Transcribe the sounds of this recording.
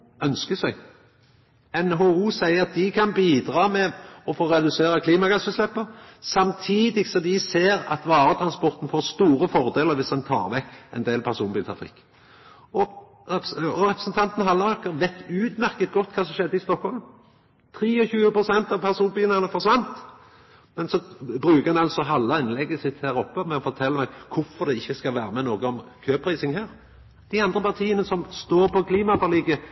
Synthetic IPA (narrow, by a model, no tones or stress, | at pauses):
œnskəsæɡ | ɛnɦouːsæɪəɾɑt̪̚d̪ɪkʰɑnbiːd̪ʁɑːmɛɔfoːɾɛd̪ʉseːɾəkʰliːmɑɡɑsəslɛpːəɾsɑmt̪ʰiːd̪ɪɡsɔd̪ɪseːɾɑ̰t̪ʋɑːɾət̪ʰʁɑnspɔɾt̪n̩foːst̪uːɾəfɔʁd̪eːləɾʋɪsd̪ɛnt̪ʰɑ̰ːʁʋɛkːɛ̰ɪnd̪eːlpʰæʁsuːnbiːlt̪ʰɾɑ̰fɪ̰kː | ɔ | ʁɛpɾəsənt̪ʰɑnt̪nɦɑlːəɑkːəʁʋɛt̪ːʉːd̪mæʁkət̪̚ɡɔt̪ːkʰɑːsɔmʃɛd̪ːəɪst̪ɔkhɔlm | t̪ʰɾiːɔçʉːəpɾʊsɛnt̪ɑʋpʰæʁsuːnbiːnɑʁnəfɔʁsʋɑnt̪ | mɛnsɔbɾʉːkəʁɛnɑlsɔɦɑlːəɪnlɛɡəsɪt̪hæːɾɔpːəmɛɔfɔʁt̪ʰɛlːəmæɡkʰʊfɔʁd̪ɛɪçːəskɑlʋæːɾəmɛnoːɡəɔmkʰøːpʰɾiːsɪŋhæːɾ | d̪̥ɪɑnd̪ʁəpɑʁt̪ʰiːənəsɔmst̪oːɾpɔkʰliːmɑfɑʁliːɡə